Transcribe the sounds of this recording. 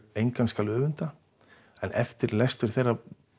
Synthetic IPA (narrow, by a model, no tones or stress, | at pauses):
ejŋkanskaːlʏːvʏnt̪a | ɛnʔɛft̪ɪɾlɛst̪ʏɾ̥θejra